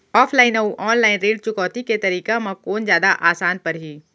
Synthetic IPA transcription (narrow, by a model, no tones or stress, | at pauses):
ɔːfʰlaːɪnɐuʔɔːnlaːɪnɾeːɖt͡ʃʊkɔːt̪iket̪ɐɾiːkamãkoːnzjaːd̪aʔaːsaːnpɐɾɦiː